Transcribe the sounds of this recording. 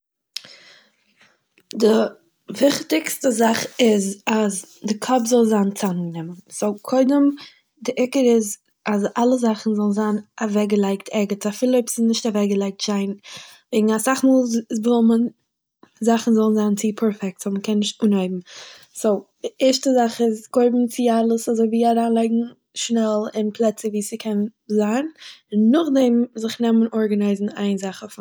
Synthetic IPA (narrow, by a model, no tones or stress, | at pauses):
dɪ | vɪχtɪkstəzaχɪzaz | dɪkʰɔpzɔlˠzaːnt͡sanɡnɪmənsoʊkʰoɪdəm | dɪʔɪkəɾɪz | azalˠəzaχn̩zɔlˠn̩zanavɛɡəlˠaɪktʰɛɡətafɪlˠəpsɪnɪʃtavɛɡəlˠaɪk̚tʃaɪnveɪɡŋ̩asaχmuːlˠvɔlˠmən | zaχn̩zɔlˠn̩zaːnt͡sɪpʰɛɾfɛk̚tsoməkʰɛnːɪʃtuːnaɪbm̩ | soʊ | ɛʃtəzaχɪsɡ̥oɪbm̩t͡sɪalˠəsazoɪviːaɾaːnlˠaɪɡŋ̩ | ʃnɛlˠɪnpʰlˠɛt͡səviːsɪkʰɛnzaːnɪnːʊχdɛmzɪχnɛmənʔɔɾɡanaɪzn̩a̰ɪnzaχəf